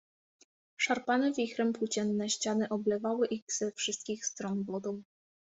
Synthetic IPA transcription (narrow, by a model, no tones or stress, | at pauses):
ʂaɾpanɛvʲixɾɛmpwut͡ɕɛnːɛɕt͡ɕanɘʔɔblɛvawɘʔiɣz̥ɛfʂɘst̪̚kʲixst̪ɾɔnvɔd̪ɔw